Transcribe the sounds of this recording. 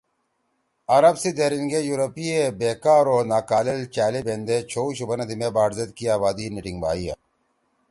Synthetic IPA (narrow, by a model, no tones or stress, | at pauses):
ɐɾɐbsid̪eɾiŋɡejuɾɐpiebeːkaːɾoːnaːkaːlelt͡ɕaːlebeːnd̪et͡ɕʰoːuɕubɐnɐd̪imebaːɖzɐd̪kiaːbaːd̪iniʈiŋɡba̰ːija̰